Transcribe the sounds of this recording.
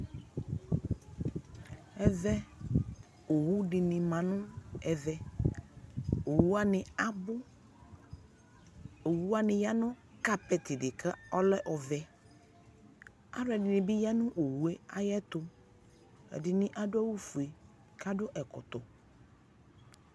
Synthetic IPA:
ɛ˨vɛ˦ | o˨wu˦dɪ˨nɪ̃˨mã˨nʊ̃˦ɛ˨vɛ˨ | o˨wu˦a˦nɪ˨a˦bʊ˦ | o˨wu˦a˦nɪ˨ja˦nʊ̃˦ | ka˨pɛ˨t̪ɪ˨dɪ˨kʰa˦ɔ˦lɛ˦ʔɔ˨vɛ˨ | a̰˦ɾʊ˦ɛ˨dɪ˨nɪ̃˨bɪ˦ja˦nʊ̃˦ʔo˨wu˨˦e˦a̰˨jɛ˦t̪ʊ˦ | ɛ̰˨dɪ˨nɪ̃˦ʔa˦dʊ˦a˦wu˦fu˨e˨ | ka˦dʊ˦ʔɛ˨kʊ̰˨t̪ʊ˨

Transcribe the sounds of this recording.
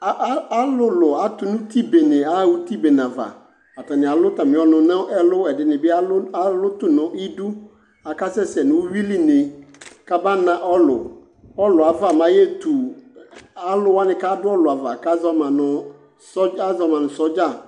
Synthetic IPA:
a˦a˦lʊ˦lʊ˨a˨tʊ˨nʊ̃˦tʰi˦be˨nɪ̃˨a˦˨wu˦ti˦be˨n˨ã˨va̰˨ | a˨tã˨nɪ̃˨a˨lʊ˦tã˨mɪ̃˨˦ɔ˨nʊ̃˨nã˦ɛ˦lʊ˦ɛ˨dɪ˨nɪ̃˨bɪ˦a˦a˦lʊ˦tʊ˨nʊ̃˨˦ʔi˦du˦ | a˨ka˦sɛ˦sɛ˨nʊ̃˨wʊ˦ɥi˦li˦nɪ̃˨ka˦ba˦nã˦ʔɔ˦lʊ̰˨ | ɔ˦lʊ˨a˨va˦˨mã˨˦jɛ˦tʰu˨ | a˦lʊ˦wa˦nɪ̃˨ka˦dʊ˦ɔ˦lʊ˨a˨va˨ka˦zɔ˦mã˨nʊ̃˨ | sɔ˦a˦zɔ˨mã˨nʊ̃˨sɔ˦d͡ʒa˦˨

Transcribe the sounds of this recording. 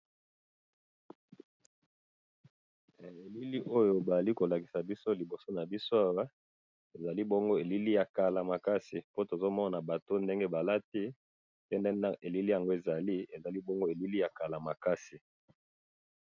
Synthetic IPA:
e˨li˦li˦ʔo˦jo˨ba˨za˨li˦ko˨la˨ki̥˨sa˨bi˦so˦li˨bo˨so˦na˨bi˦so˦a˦wa˦ | e˨za˨li˦bo˦ŋɡo˦e˨li˦li˦ja˨ka˨la˨ma˨ka˦si˨po˦to˨zo˦mɔ˦na˨ba˨to˦nde˦ŋɡe˦ba˨la˦ti˦ | pe˦nde˦e˨li˦li˦ja˨ŋɡo˦e˨za˨li˦e˨za˨li˦bo˦ŋɡo˦e˨li˦li˦ja˨ka˨la˨ma˨ka˦si˨

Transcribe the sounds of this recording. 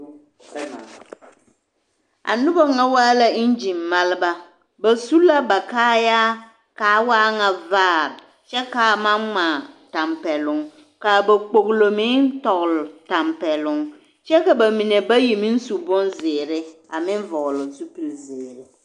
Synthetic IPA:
a̰˨nʊ˦ba˦ŋa˦waː˦la˦ɪ˦n˦d͡ʒi˨mːa˦lɪ˦ba˦ | ba˨su˦la˦ba˨kaː˦jaː˦ | kaː˨˦waː˦ŋa˨vaː˦˨ɾ | t͡ʃɛ˦ka˨ma˦nmaː˨ta˨mpɛ˨lʊ˨ŋ | ka˨ba˨k͡po˨ɣlo˨mɪ˦ntɔ˨ɣlʊ˨ta˨mpɛ˨lʊ˨ŋ | t͡ʃɛ˦ka˨ba˨mi˨ne˨ba˦ji˨mɪ˦n̩˦su˨bʊ˦nzɪː˨ɾɪ˦ | a˨mɪ˦n˦vɔ˨ɣlʊ˨su˦pi˨lzɪː˨ɾɪ˨

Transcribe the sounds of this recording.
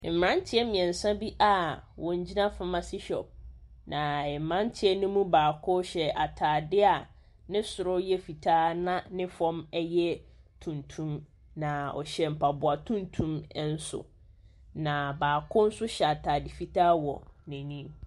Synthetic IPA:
m̩˨ã˦n˦tʰɪ˦ɛ˦mĩ˨ɛ̃˨n̩˨sã˦bi˦ʔa˦wɔ̃˨ɲ˦d͡ʑi˦nã˦fa˦mã˨si˦ɕɔ̰˨p̚ | nã˨ɛ˨mã˦n˦tʰɪ˦ɛ˦nũ˦mũ˦baː˨kʰʊ˦ɕɛ˨ʔa˨tʰaː˨dɪ˦a˨ | nɪ̃˦sʊ˨ɾʊ˦jɛ˦fi˨tʰaː˦nã˦nɪ̃˦fɔ̃˦mɛ˦jɛ˦ | tʰũ˨ntʰũ˦m | nã˨ɔ̰˨ɕɛ˨m̩˨pʰa˨bʊ˨a˨tʰũ˦ntʰũ˦mɛ˦n̩˦sʊ̰˨ | nã˨baː˨kʰʊ˦n̩˦sʊ˦ɕɛ˨a˨tʰaː˨dɪ˨fi˨tʰaː˦wɔ̰˨nɛ̃˨nĩ˦m

